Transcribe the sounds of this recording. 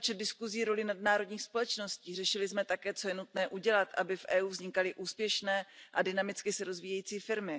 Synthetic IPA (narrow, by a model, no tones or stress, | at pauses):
pot͡ʃɛd̪̚dɪskuziːɾo̞lɪnadnaːɾo̞dɲiːxspo̞lɛt͡ʃno̞sciːr̝ɛʃɪlɪzmɛt̪akɛːt͡so̞jɛnut̪nɛːʔuɟɛlat̪ʔabɪfʔɛːuːvzɲɪkalɪʔuːspjɛʃnɛːʔadɪnamɪt͡skɪsɛɾo̞zviːjɛjiːt͡siːfɪɾmɪ